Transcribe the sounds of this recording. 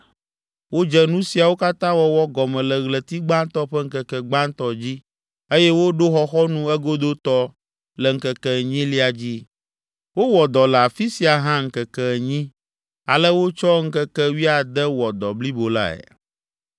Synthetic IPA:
wo˦d͡ʒɛ˦nũ˦si˨a˨wo˦ka˦t̪ã˦wɔ˦wɔ˦ɡɔ˨mɛ̃˨lɛ˨ɣlɛ˨t̪i˦ɡ͡bã˦nt̪ɔ˦ɸɛ˦ŋ̩˦kɛ˨kɛ˨ɡ͡bã˦n˦t̪ɔ˦d͡ʑi˦ | e˦jɛ˦wo˦ɖo˦xɔ˦xɔ˦nũ˦ɛ˦ɡo˦d̪o˦t̪ɔ˦ | lɛ˨ŋ̩˦kɛ˨kɛ˨ɲĩ˦li˦a˨d͡ʑi˦ | wo˦wɔ˨d̪ɔ˨lɛ˨a˨fi˦si˨a˨ɦã˦ŋ̩˦kɛ˨kɛ˦˨ɲĩ˦ | a̰˨lə˦wo˦t͡ʃɔ˦ŋ̩˦kɛ˦kɛ˦wi˦a˨d̪ɛ˦wɔ˨d̪ɔ˨bli˦bo˨la̰˦ɛ̰˨

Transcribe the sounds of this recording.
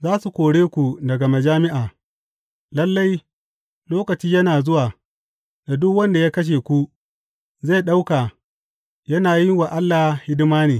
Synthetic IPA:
zaː˦su˨kʷoː˨ɽeː˦kʷu˨dɐ˨ɡa˨ma˨d͡ʒaː˦mɪ˦ʔaː˨ | lɐ˦lːa˦j | loː˦kɐ˨t͡ʃiː˦jɐ˦naː˨zʊ˦waː˨ | da˨dʊ˦kwɐ˦nda˨jaː˦kɐ˦ʃ̬eː˨kʷu˦ | za˦˨jɗa˦wka˨ | jɐ˦naː˨jɪ˦ŋwa˨ʔa˦lːaː˨hhɪ˦dɪ˦maː˦neː˨

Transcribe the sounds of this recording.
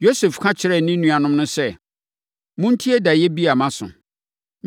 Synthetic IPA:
jo˦sɛ˨fkʰã˦t͡ɕʰɪ˨ɾɛ˦˨nɪ̃˦nũ˨a˨nʊ̃˦m˦nʊ̃˦sɛ˦ | mʊ̃˦n̩˦tʰi˦ɛ˦da˨jɛ˦bi˦a˨mã˦sʊ̰̃˨

